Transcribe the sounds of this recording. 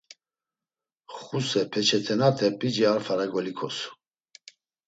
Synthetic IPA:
χusɛpʰɛt͡ʃʰɛt̪ʰɛnat̪ʰɛpʼid͡ʒiaɾfaɾaɡɔlikʰɔsu̥

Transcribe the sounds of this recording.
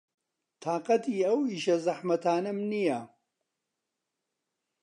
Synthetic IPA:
t̪ʰaːqɐt̪ʰiːɐwiːʃɐzɐħmɐt̪ʰaːnɐmnijɐ

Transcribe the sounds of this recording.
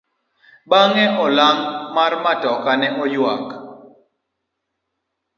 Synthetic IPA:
baŋɛʔɔlaŋmarmatɔkanɛʔɔjwak

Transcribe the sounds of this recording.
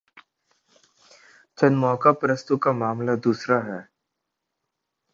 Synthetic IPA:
t͡ʃɐnmɔːkapɾəst̪ukamaːmlad̪uːsɾaɦɛː

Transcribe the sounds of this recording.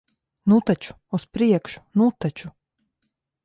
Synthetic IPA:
nut̪at͡ʃu̥ːspɾiɛkʃu̥nut̪at͡ʃu

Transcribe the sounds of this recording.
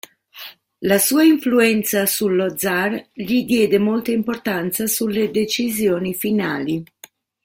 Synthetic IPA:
lasuːaiɱfluɛnt̪sasulːɔd̪zarʎid̪jɛːd̪emɔlt̪aimport̪ant̪sasulːed̪et͡ʃizjoːnifinaːli

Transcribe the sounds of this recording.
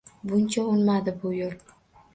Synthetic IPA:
bʊnt͡ʃʰaʊnmad̪ɪbʊjol

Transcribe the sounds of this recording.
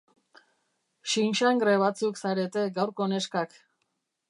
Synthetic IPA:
ʃinʃaŋɡɾeβ̞at͡suksaɾe̞t̪e̞ɡawɾko̞ne̞skak

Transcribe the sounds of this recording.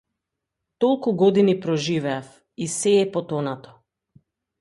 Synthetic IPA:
t̪ɔlˠkuɡɔd̪inipɾɔʒivɛaf | isɛːpɔt̪ɔnat̪ɔ̥

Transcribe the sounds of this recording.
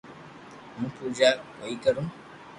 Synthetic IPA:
mũːpuɾd͡ʒa | oikəɾũː

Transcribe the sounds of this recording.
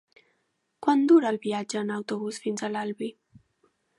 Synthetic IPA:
kwand̪uɾəːlˠβiad͡ʒəːnəwt̪uβusfinzəlalβi

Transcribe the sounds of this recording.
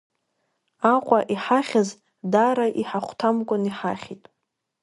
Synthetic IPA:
aqʷʼaʔiħaχʲaz | daɾaʔiħaχʷtʰamkʷʼʊniħa̰χʲitʼ

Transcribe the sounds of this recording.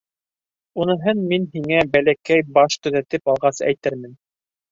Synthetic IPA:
unɤ̆ɦɤnminɦiŋæbælækæjbɑʃt̪ɵ̆ðæt̪ɘpɑlˠʁɑsæ̰jt̪ɘɾmɘn

